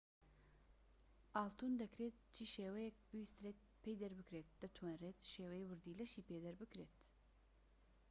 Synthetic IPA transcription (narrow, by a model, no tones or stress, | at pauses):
ʔaːlt̪uːnd̪ɐkɾeːt̪̚t͡ʃʰiːʃeːwɛjɛk̚bɨwist̪ɾeːt̪̚pʰejd̪ɛɾbɨkɾeːt̪̚d̪̥ɐt̪ʰwanreːt̪ʃeːwɛjiwɨɾd̪iːlɐʃiːpeːd̪ɐɾbɨkɾeːt̪